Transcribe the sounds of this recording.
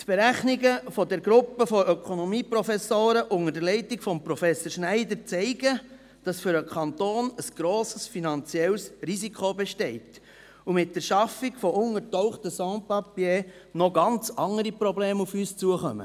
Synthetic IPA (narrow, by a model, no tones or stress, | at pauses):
t̪b̥eɾæχniɡəfɔdɛɾɡɾʊpːəfɔʔœkʰonɔmiːpɾɔfɛsoːɾəʔʊŋəɾdəlɛɪtikfɔmpɾɔfɛsəɾʃnæɪd̪əɾt͡sɛɪɡə | d̥ɑsfʏɾəkʰɑntoːnəsɡ̥ɾoːsəsfinɑnt͡siɛlsrizikʰobɛʃtɛɪt | umɪt̚d̥ɛɾʃɑfiɡfɔʊŋəɾtɔʊχtəsɑ̃ːpɑpje | nɔɡɑnt͡sɑŋəɾipɾɔbleːmufyːst͡suəχœ̰mə̰